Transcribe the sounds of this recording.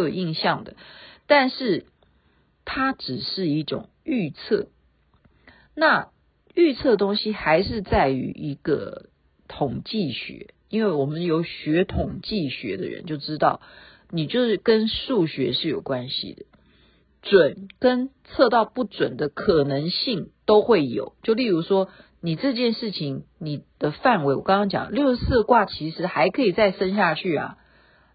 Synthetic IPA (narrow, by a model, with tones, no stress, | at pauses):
o˨˩i˥˧ŋɕjɑ˥˩ŋd̪ə˩t̪a˥˧nʂɻ̩˥˩ | t̪ʰa˥ʈ͡ʂɻ̩˨˩ʂɻ̩˥˧i˥˩ʈ͡ʂʊ̰˨˩ŋy˥˧t͡sʰɤ˥˩ | na˥˩ | y˥˧t͡sʰɤ˥˩d̪ə˩t̪ʊ˥ŋɕi˥xa˧˥ɪʂɻ̩˥˧t͡sa˥˩ɪy̰˧˥ʔi˧˥ɡ̥ə̰˧ | t̪ʰʊ˨˩ŋt͡ɕi˥˩ɕɥɛ̰˧˥˦ | i˥nwe˥˩ɪwɔ˨˩mə˦njo˧˥ʊɕɥɛ˧˥t̪ʰʊ˨˩ŋt͡ɕi˥˩ɕɥɛ̰˧˥d̪ə̰˧ɻə̰˧˦nt͡ɕjo˥˩ʊʈ͡ʂɻ̩˥t̪ɑ˥˩ʊ | ni˨˩t͡ɕjo˥˧ʊʂɻ̩˥˩kə˥nʂu˥˩ɕɥɛ˧˥ʂɻ̩˥˩jo˨˩ʊkwa˦nɕḭ˨d̪ə̰˩ | t͡swə˨˩nkə˥nt͡sʰɤ˥˧t̪ɑ˥˧ʊpu˥˩t͡swə˨˩nd̪ə˦kʰɤ˨˩nɤ˧˦˥ŋɕi˥˩ŋt̪o˥ʊxwe˥˩ɪjo̰˨˩˦ʊt͡ɕjo˥˧ʊli˥˩ɻu˧˥ʂwɔ˥ | ni˨˩ʈ͡ʂɤ˥˧t͡ɕjɛ˥˧nʂɻ̩˥˩t͡ɕʰi˧˥ŋni˨˩d̪̥ə˦fa˥˩nwe˧˥ɪwɔ˨˩kɑ̃˥ŋkɑ˥ŋt͡ɕjɑ̰˨˩ŋ˦ljo˥˧ʊsɹ̩˥˧kwa˥˩t͡ɕʰi˧˥ʂɻ̩˧˥xa˧˥ɪkʰɤ˧˥i˨˩t͡sa˥˩ɪʂə˥nɕ̬ja˥˧t͡ɕʰy˥˩ɐ̰˨˩